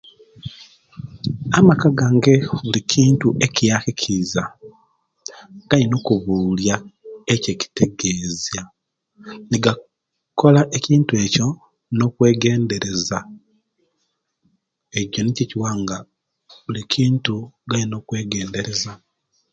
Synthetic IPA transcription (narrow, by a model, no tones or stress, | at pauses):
amakaɡaːŋɡe̞βulicʰiːntuʔe̞cijaxicʰiza | ɡ̥alino̞kuβuːljaece̞ci̥te̞ɡe̞ːzja | niɡa | ko̞laʔeciːntue̞ːco̞ | no̞kwe̞ːɡe̞ːnde̞ɾe̞za | eɟo̞niceciwaːŋɡa | βulicʰiːntuɡalino̞kwe̞ːɡe̞ːnde̞ɾe̞za